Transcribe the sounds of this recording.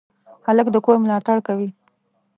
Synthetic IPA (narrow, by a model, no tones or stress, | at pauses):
haləkd̪əkoɾmlɑt̪aɽkawi